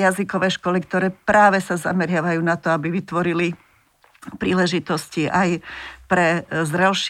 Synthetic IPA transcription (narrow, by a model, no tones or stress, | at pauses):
jazikɔʋɛːʃkɔlik̚t̪ɔɾɛːpɾaːʋɛsaza̰mɛɾɪaʋajuːnat̪ɔabiʋit̪ʋɔɾili | pɾiːlɛʒit̪ɔsciʔajpɾɛzɾɛlʃ